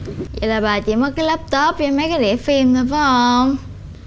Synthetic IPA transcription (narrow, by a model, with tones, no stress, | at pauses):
jḭ˧˨laː˨˩ɓaː˨˩t͡ɕḭ˧˩mɔ˨˦jkaː˨˦jlə˦˥p̚t̪o˦˥p̚t͡ɕɔ˧mə˨˦jkaː˨˦jɗḭ˧˩əfi˧nɗ̪ə˨˧˦va˨˦ho˧m